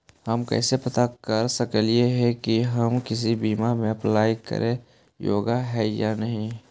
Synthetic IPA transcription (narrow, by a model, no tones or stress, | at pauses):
hɐmkɛ̰ːsepɐt̪akəɾsəkəljeɦɛkiɦɐmkɪs̬ibiːmamẽɐplaːikə̰ɾʔẽ | jo̰ːɡaɦɛːjanɐɦĩ